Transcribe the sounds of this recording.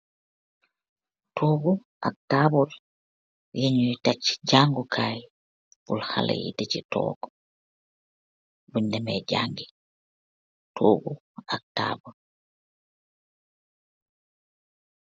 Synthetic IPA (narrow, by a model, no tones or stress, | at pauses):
tʰoɡu | ʔa̰k̚taːbɔl | jeɲujitat͡ʃːi̥d͡ʒaŋɡukʰaj | bulha̰la̰jḭdet͡ʃitɔ̰ːɡɔ | bundɛmɛd͡ʒaŋɡi | tʰoːɡu | ak̚ta̰ːbɔlɔ